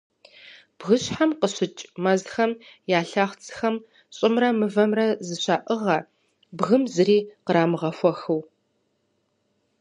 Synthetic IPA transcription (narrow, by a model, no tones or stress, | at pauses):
b̥ɣɨɕħamqəɕɪt͡ʃʼmɐzxɐmjaːɬaχʷt͡sʰʼxɐm | ɕʼɪmrɐmɨvɐmrɐzɨɕaːʔɨʁɐ | bɣɨmzɨɾiːqəɾaːmɨʁɐfʷɔxɨw